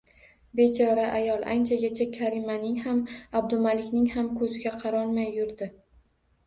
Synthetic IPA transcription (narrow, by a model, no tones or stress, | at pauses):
be̞t͡ʃʰɒɾaʔajɒlˠa̰nt͡ʃʰaɡʲet͡ʃʰakʲʰaɾɪmanɪŋhamab̚d̪ʊmalɪkʲnɪŋhamkʰɵzɪɡʲaqʰɑɾɒnmajːʊɾd̪ɪ